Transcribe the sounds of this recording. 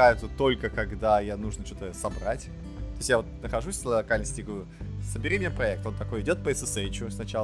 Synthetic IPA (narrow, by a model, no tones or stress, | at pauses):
ajʊt̪sət̪o̞lʲkəkɐɡd̪ajanuʐnət͡ɕo̞t̪əsɐbɾatʲ | t̪o̞jɪsʲtʲjavo̞t̪̚nəxɐʐusʲnllˠɐkalʲnəsʲtʲɪiɡəvɾʲʊsəbʲɪɾʲimʲɪnʲepɾɐɛk̚t̪o̞nt̪ɐko̞jɪdʲo̞t̪̚pəɛsɨseɪt͡ɕʊsnɐt͡ɕalˠ